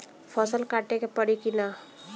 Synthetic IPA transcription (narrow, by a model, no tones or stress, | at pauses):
pʰɔːsəlkaːʈekepəɽikina